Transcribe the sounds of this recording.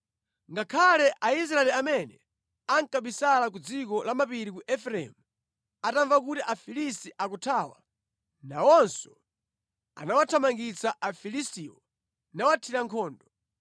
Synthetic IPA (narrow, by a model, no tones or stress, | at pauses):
ŋɡakʰalɛʔais̬ɾaɛliamɛnɛ | aŋkaɓisalak̬ud͡zikɔlamapiɾikuʔɛfɾɛ̰mu | ataɱvakutiʔafilis̬tiʔakutʰaːwa̰ | nawɔnsɔ | a̰nawatʰamaŋɡit͡saʔafilistiːwɔ | nawatʰiɾaŋkʰɔːndɔ